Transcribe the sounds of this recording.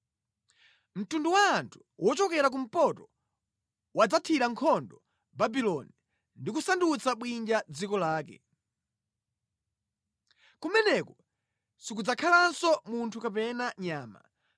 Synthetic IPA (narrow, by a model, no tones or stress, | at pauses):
m̩tunduwaːntʰu̥wʔɔt͡ʃɔkɛɾak̬um̩pɔtɔ | wad͡zatʰiɾaŋkʰɔndɔ | babilɔni | ndikusandut͡saɓwind͡ʒad͡zikɔlaːkɛ̰ | kumɛnɛkɔ | sikud͡zakʰalansɔmuntʰukapɛnaɲaːma̰